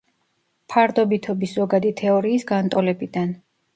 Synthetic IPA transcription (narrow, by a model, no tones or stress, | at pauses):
pʰaɾd̪ɔbit̪ʰɔbiszɔɡad̪it̪ʰɛɔɾiːsɡant̪ʼɔlɛbid̪an